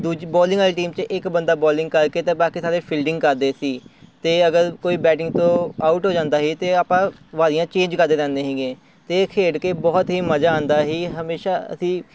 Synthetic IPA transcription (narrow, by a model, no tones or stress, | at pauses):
d̪uːd͡ʒbɔːlɪ̃ŋɡɛːlʈiːmt͡ʃəʔɪkbənd̪aːbɔːlɪ̃ŋɡ̚kəɾkeːt̪ẽːbaːkiːsaːɾeːpʰɪlɖɪ̃ŋɡkəɾd̪eːsiːt̪eːəɡəɾkoːiːbɛːʈɪ̃ŋɡt̪õːaːuʈɦoːd͡ʒãːnd̪aːɦiːt̪eːaːpãːʋaːɾɪjãːt͡ʃẽːɲd͡ʒkəɾd̪eːɾɛ̃ːnd̪eːɦɛ̃ːŋɡeː | t̪eːkʰeːɽkeːbɔːt̪ɦiːməd͡ʒaːãːnd̪aːɦiːɦəmeːʃaːə̰sĩː